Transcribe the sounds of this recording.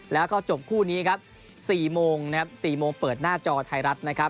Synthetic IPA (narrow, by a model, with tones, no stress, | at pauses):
lɛː˦˥wkɔː˥˩t͡ɕo˨˩p̚kʰuː˥˩niː˦˥kʰa˦˥p̚ | siː˨˩moː˧ŋnʰ˦a˦˥p̚siː˨˩moː˧ŋpɤː˨˩t̪̚naː˥˩t͡ɕɔː˧t̪ʰa˧jɾa˦˥t̪̚na˦˥kʰa˦˥p̚